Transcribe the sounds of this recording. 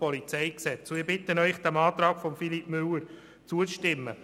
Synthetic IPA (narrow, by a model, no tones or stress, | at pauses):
pɔlit͡sɛɪksɛt͡sɪːbɪt̪ənœʏχd̥ɛmɑːt̪ɾɑːkfɔmfilipmʏləɾ | t͡suəʃtɪmːə